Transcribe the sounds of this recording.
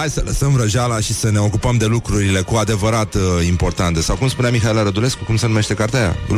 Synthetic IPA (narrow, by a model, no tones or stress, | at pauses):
ajsələsəmvɾəʒalaʃisəne̞o̞kupəmd̪e̞lukɾuɾile̞kuad̪e̞vəɾat̪impo̞rt̪ant̪e̞sawkumspuneamixaelaɾəd̪ule̞skukumse̞numeʃt̪e̞kaɾt̪eaja̰